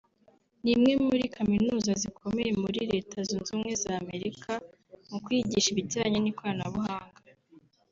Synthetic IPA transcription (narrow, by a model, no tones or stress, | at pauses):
nimŋe̞muɾikaminuːzazikʰo̞me̞je̞muɾiɾe̞ːtʰazunzuːmŋe̞zaːme̞ɾikʰa | mukwiːɟiʃiβiɟaːɲenikwaːnaβuhaːŋɡa